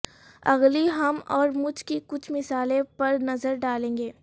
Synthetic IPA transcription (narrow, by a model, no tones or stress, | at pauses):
ɐɣliɦɐmɔːɾmʊd͡ʒʱkikʊt͡ʃʰmɪsaːlẽpɐɾnɐzəɾɖaːlẽːŋɡeː